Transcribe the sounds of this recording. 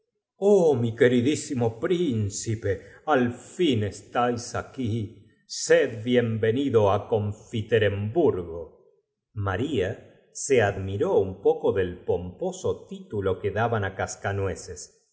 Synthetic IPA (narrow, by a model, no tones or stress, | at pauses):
omikeɾiðisimo̞pɾinsipealfinest̪ajsaki | sed̪̚bje̞mbe̞niðoako̞ɱfit̪eɾembuɾɣo | maɾia | seaðmiɾoumpokoðelpomposot̪it̪ulo̞keðaβanakaskanweses